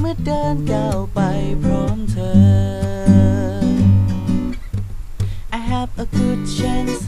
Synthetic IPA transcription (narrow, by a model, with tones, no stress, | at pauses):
mɯ˥ɐdəː˧nda˧˩wpa˧jpʰɹɔː˧˥mt̪ʰəː˧ | ʔa˨jɦæ˧və˧ɡu˥d̚sɛ˥ns